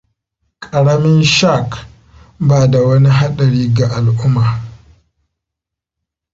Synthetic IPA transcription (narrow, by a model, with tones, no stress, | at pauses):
kʼa˨ɽa˦mɪ˦nʃa˦˨k | baː˨da˨wɐ˦ni˦ɦa˦ɗɐ˨ɾiː˦ɡa˨ʔa˨lʔʊ˦mːa˨